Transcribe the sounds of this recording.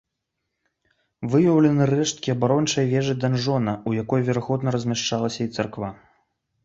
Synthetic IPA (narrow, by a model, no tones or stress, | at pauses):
vɨjɐwlʲɛnɨrɛʂt̪kʲiɐbaɾɔnt͡ʂɐjvʲɛʐɨd̪anʐɔnɐujakɔjvʲɛɾaɣɔd̪nɐɾɐzʲmʲaʂt͡ʂalˠɐsʲɐit̪sarkva